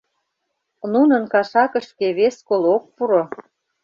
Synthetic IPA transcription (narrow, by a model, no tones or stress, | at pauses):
nunə̆nkɑʃɑkə̆ʃkeβeskolok̚puɾo